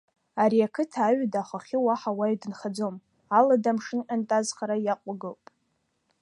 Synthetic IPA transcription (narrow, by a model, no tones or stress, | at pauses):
aɾiakʰɨtʰaɥdaχaχʲɪwaħawajdɨnχad͡zo̞m | aladamʂɨnʔʼantʼazχaɾajaqʷʼaɡɨlpʼ